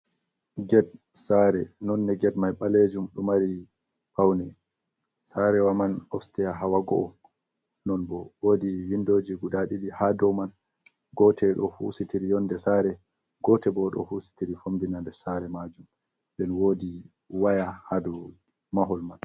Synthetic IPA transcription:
ɡɛd̚saɾɛnɔnːɛɡɛdmajɓaled͡ʒumɗɔmaɾi | pawnɛ | saɾɛwamanɔfstɛjaɦawaɡɔʔɔ | nɔnbɔwoːdiwindod͡ʒiɡuɗaɗiɗihadɔwman | ɡɔtʰɛɗɔhusitʰiɾijɔndɛsaɾɛ | ɡɔtɛbɔɗɔ̰husi̥tiɾifombinandɛsaɾɛmad͡ʒum | ɗɛnwodi | wajahadu | maɦɔlman

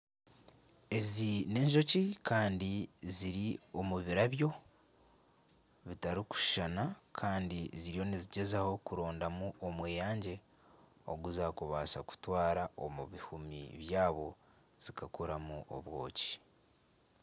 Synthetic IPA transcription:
e̞zine̞ːɲʒo̞cikaːndiziɾio̞muβiɾaβjo̞ | βitaɾiku̥ʃʃanakʰaːndiziɾijo̞niziɟe̞zaho̞kuɾo̞ːndamuomweːjaːɲɟe̞ | o̞̰ɡuzaːkuβaːsaku̥twaːɾao̞̰muβihumḭβjaːβo̞ | z̥ikakoɾamuʔo̰βwo̞̰ːci̥

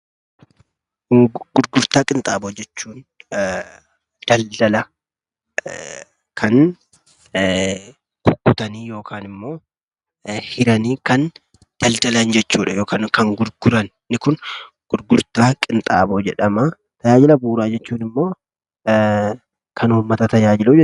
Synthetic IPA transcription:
ɡ̥ʊɾɡʊɾt̪aːkʼɪnt̪ʼaːboːd͡ʒɛt͡ʃːuːn | d̪̥ɐld̪ɐlɐ | kʰɐn | kʊkːʊt̪ɐniːjo̞ːkʰaːnɪmːo̞ː | hɪɾɐniːkɐn | d̪̥ɐld̪̥ɐlɐnd͡ʒɛt͡ʃːuːᶑɐjo̞ːkaːnkɐŋɡʊɾɡ̥ʊɾɐnːɪkʊn | ɡ̥ʊɾɡʊɾt̪aːkʼɪnt̪ʼa̰ːboːd͡ʒɛᶑɐmɐ | t̪ɐjaːd͡ʒɪlɐbuːɾaːd͡ʒɛt͡ʃːuːnɪmːo̞ː | kʰɐnuːmːɐt̪ɐt̪ɐjaːd͡ʒɪluːd͡ʒɛ

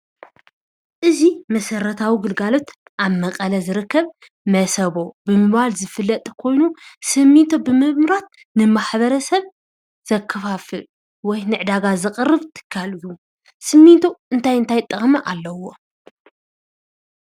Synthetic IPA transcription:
ʔɨzimɐsɐɾɐt̪ʰawiɡɨlɡalo̞t̪ | ʔaβmɐqʼɐlɐzɨɾɨkʰːɐβ | mɐsɐβo̞bɨmɨβalzɨfɨlːɐt̪ʼkʰo̞jnusɨmːit̪ʰobɨmɨmɨɾat̪̚ | nɨmaħβɐɾɐsɐβ | z̥ɐkʰːɐfafɨ | wɔjnɨʕd̪aɡazɨqʼɨrːɨβt̪ʰɨ̥kʰːalɨju | sɨmːit̪ʰoʔɨnt̪ʰajɨnt̪ʰajt̪ʼːɐχʼmɐʔalːɐwo̞

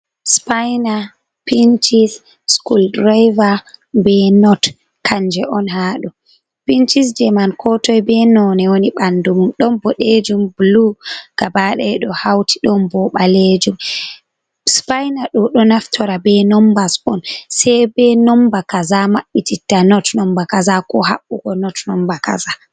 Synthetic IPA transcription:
spajna | pint͡ʃis | skuldɾajvabɛnɔt | kʰand͡ʒɛʔɔnhaɗu | pint͡ʃisd͡ʒɛmankʰɔtɔjbɛnɔnɛwoniɓandumumɗɔnbɔɗed͡ʒumbluɡ̥abaɗɛɗɔhawtʰi̥ɗɔnbɔɓaled͡ʒum | spajnaɗɔɗɔnaftʰɔɾabɛnɔmbasɔnsɛjbɛnɔmbakazamaɓːititːanɔtnɔmbakazakɔhaɓːuɡɔnɔtnɔmbaka̰za

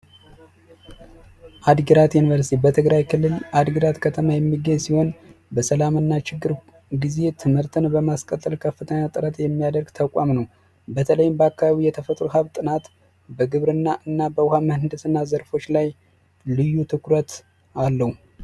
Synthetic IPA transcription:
ʔad̪ɡəɾat̪junivəɾsi̥t̪ʰibət̪ʰɨɡɾajkʰɨlːɨlad̪ɡəɾat̪kʰət̪ʰəmajɛmːiɡəɲsiho̞nbəsəlamɨnːat͡ʃɪɡːɨɾ | ɡize̞t̪ʰɨmɨɾt̪ʰɨnbəmaskʼət̪ʼːəlkʰəfːɨt̪ʰəɲːat̪ʼɨɾət̪jɛmːijad̪əɾɡt̪ʰəkʷʼa̰mnəw | bət̪ʰələjɪmbəakːaaβijɛt̪ʰəfət̪ʼɾuɦaβt̪ʼɨnat̪ | bəɡɨβɾɨnːaʔɨnːabəwʊhaməhɨnd̪ɨsɨnːazəɾfo̞t͡ʃːlaj | lɨjːut̪ʰɨkɾət̪ | alːəhu

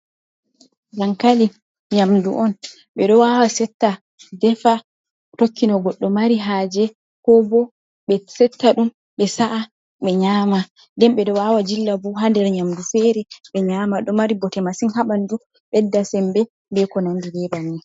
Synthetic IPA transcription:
ɡaŋkali | ɲamduʔɔn | ɓɛɗɔwawasɛtːa | dɛfa | tokʰːinɔɡɔɗːɔmaɾiɦaːd͡ʒɛ | kɔbɔ | ɓɛsɛtːaɗum | ɓɛsaʔa | ɓɛɲaːma | ndɛmɓɛɗɔwawad͡ʒilːabuɦandɛɾɲamdufɛɾɛɓɛɲamaɗɔmaɾibɔtɛmasinhaɓandu | ɓɛdːasɛmbɛ | bɛkɔnandilɛbanːi

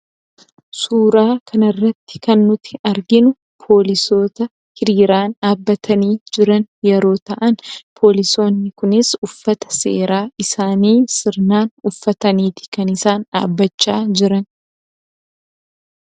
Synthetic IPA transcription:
suːɾaːkʰɐnɐrːɐt̪ːɪ̥kɐnːʊt̪ɪɐɾɡɪnʊ | pʰo̞ːlɪso̞ːt̪ɐ | hɪɾiːɾaːnaːbːɐt̪ʰɐniːd͡ʒɪɾɐnjɛɾo̞ːt̪ɐʔɐnpʰo̞ːlɪso̞ːnːɪkʊnɪsʊfːɐt̪ɐ̥sḛːɾaːʔɪsaːniːsɪɾnaːnʊfːɐt̪ɐniːt̪ɪ̥kɐnɪsaːna̰ːbːɐt͡ʃːaːd͡ʒɪɾɐn

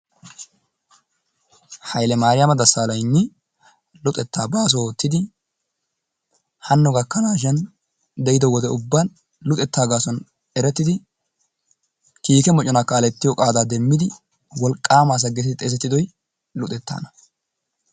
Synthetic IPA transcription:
hɐjlɛmaːɾɪjɐmɐd̪ɐsaːlɐjnːɪ | lʊt̪ʼɛt̪ːaːbaːs̬ooːt̪ːɪd̪ɪ | hɐnːɔɡɐkːɐnaːʃ̬ɛn | d̪ɛjɪd̪ɔwɔd̪ɛʊbːɐn | lʊt̪ʼɛt̪ːaːɡaːsɔn | ɛɾɛt̪ːɪd̪ɪ | kiːkɛmɔt͡ʃʼɔnakːaːlɛt̪ːɪjɔkʼaːd̪aːd̪ɛmːɪd̪ɪ | wɔlkʼːaːmaːs̬ɐɡɛt̪ːt̪ʼeːs̬ɛt̪ːɪd̪ɔj | lʊt̪ʼɛt̪ːa̰ːnɐ̥

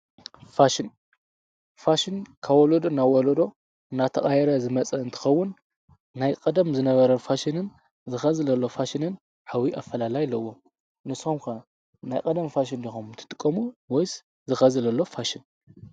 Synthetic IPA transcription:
faʃɪn | faʃɪnkʰawolod̪onawolod̪o̞ | ɨnat̪ʰɐχʼajɛɾɐzɨmɐt͡sʼɐɨnt̪ʰɨ̥xɐwːʊnː | ajkʼɐd̪ɐmzɨnɐβɐɾɐfaʃinɨn | zɨxɐzɨlɐlːo̞faʃinɨn | ħawiʔafːɐlalajlːɐwːo | nɨsomkʰɐ | najkʼɐd̪ɐmfaʃ̬indixomt̪ʰɨ̥t̪ʼɨkʼːɐmuwɔjs | zɨxɐzɨlɐlːo̞faʃɪn

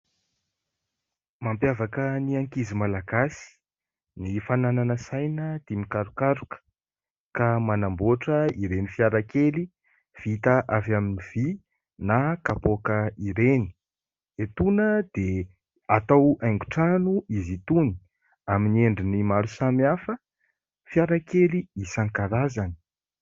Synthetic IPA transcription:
mampjavakəniaŋkizimalaɡasi̥ | nifanananəsajnət̪imikaɾukaɾukə̥ | kamanamboʈ͡ʂəiɾenifjaɾakeli | v̥it̪aʔavaminiv̥i | nakapokəiɾeni̥ | et̪unəd̪̥e | at̪awajŋɡuʈ͡ʂanuizit̪uni̥ | amineɳɖ͡ʐinimaɾusamiafə | fjaɾakeliisaŋkaɾazani̥

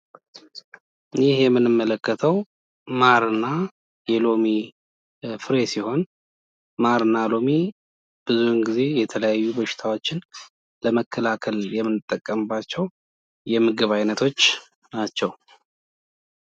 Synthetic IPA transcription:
jɪhjɛmːɨnɨmːələkʰːət̪ʰəw | maɾɨnːa | jɛlo̞mi | fɨɾe̞siho̞n | maɾɨnːalo̞mi | b̥ɨzuhɨnɡize̞jɛt̪ʰələjajːubəʃɪ̥t̪ʰawo̞t͡ʃːɪn | ləməkʰːəlakʰəljɛmːɨnːɨt̪ʼːəkʼːəmbat͡ʃːɛw | jɛmɨɡɨβajnət̪ʰo̞t͡ʃː | nat͡ʃːɛw

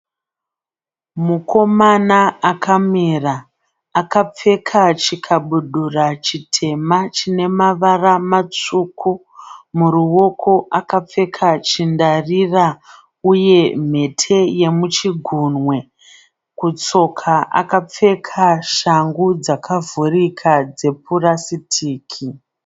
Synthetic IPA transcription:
muko̞manaakʰamiraː | kap͡fe̞kʰat͡ʃikʰaɓuɗurat͡ʃitʰe̞mat͡ʃine̞maʋaramat͡ʂukʰu | muɾuwo̞kʰo̞ʔakap͡fe̞kʰat͡ʃindarira | uje̞m̤e̞tʰe̞je̞mut͡ʃiɡʱuːnwe̞ | kut͡so̞kʰaʔa̰kap͡fe̞kʰaʃaŋɡud͡zakʰavurikʰad͡ze̞purasitʰiːkʰi

